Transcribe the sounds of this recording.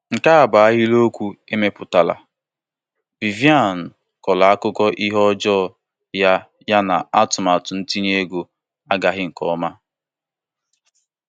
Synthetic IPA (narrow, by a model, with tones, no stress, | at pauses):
ŋ̩˨ka˦a˨ba˨a˦ɣi˦lo˦kʷu˦e˦me˦pʊ˨ta˨la̰˨ | b̥i˨vi˦a˦˨n̩˨ | kɔ˨la˨a˦kʊ˦kɔ˦ʔi˦ɦɔ˦d͡ʒɔː˦˨ | ja˦ | ja˦na˨a˦tʊ˨ma˨tʊ˨n̩˦ti˦ɲ˦e˦ɡo˨ | a˦ɡa˦ɦɪ˦ŋ̩˨kɔ˦ma˦